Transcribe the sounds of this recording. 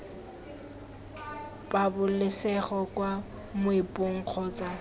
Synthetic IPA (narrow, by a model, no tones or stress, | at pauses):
pabʊlɪsɛχɔkwa | mʊɪpʼoŋ̩q͡χʰɔt͡sʼa